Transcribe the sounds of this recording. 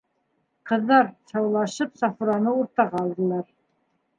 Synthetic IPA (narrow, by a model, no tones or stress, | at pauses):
qɤ̆ðːɑɾsɑwlˠɑʃɤpsɑfuɾɑnɤuɾt̪ɑʁɑːlˠd̪ɤ̆lˠɑɾ